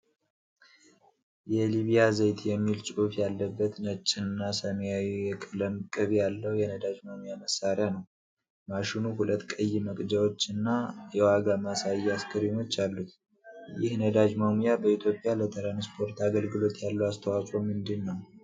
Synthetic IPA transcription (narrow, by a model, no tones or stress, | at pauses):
jɛliβijazəjt̪ʰjɛmːilt͡ʃʼufjalːəbːət̪nət͡ʃʼːɪnnːasəmjawijɛkʼɨləmkʼɨβjalːəwjɛnəd̪ad͡ʒmamujaməsːaɾjanəw | maʃinuhulət̪ːkʼəjːɪməkʼd͡ʒawot͡ʃːɨnːajɛwaɡamasajːɛaskʰəɾimo̞t͡ʃːalːut̪ | jɪhnəd̪ad͡ʒmamujabəit̪ʰjo̞pʼːjalət̪ʰəɾanspʰo̞ɾt̪aɡəlɡɨlo̞t̪jalːuast̪ʰəwakʼo̞mɨnd̪ɨnːəw